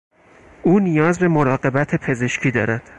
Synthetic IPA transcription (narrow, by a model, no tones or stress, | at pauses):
ʔuːnijɒːzbe̞moɾɒːɢe̞bæt̪ʰepʰe̞ze̞ʃcʰiːd̪ɒ̰ːɾæd̪̥